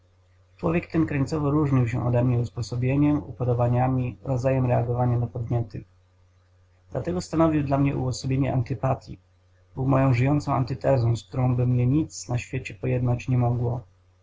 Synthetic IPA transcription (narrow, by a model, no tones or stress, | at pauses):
t͡ʂwɔ̰vʲjɛkt̪ɛnkɾajɲt̪sɔvɔɾuʐɲiwɕ̬ɛʔɔd̪ɛmɲɛuspɔsɔbʲjeɲɛmṵpɔd̪ɔbaɲamʲiɾɔd̪zajɛmɾɛaɡɔvaɲanapɔd̪ɲʲɛt̪ɘ | d̪̥lat̪ɛɡɔst̪anɔvʲiwd̪lamɲɛṵɔsɔbʲjeɲɛ̰ʔa̰nt̪ɘpat̪ʲjḭ | bɨwmɔjɔ̃w̃ʐɘjɔnt̪sɔ̃ant̪ɘt̪ɛzɔ̃w̃sk̚t̪uɾɔ̃w̃bɘmɲɛɲit̪snaɕfʲjet͡ɕɛpɔjɛd̪nat͡ɕɲɛmɔɡwɔ